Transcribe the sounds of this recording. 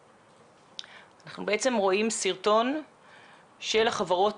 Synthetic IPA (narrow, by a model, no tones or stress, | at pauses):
anaχnubeet͡se̞mʁo̞imsiʁto̞n | ʃelaχavaʁo̞t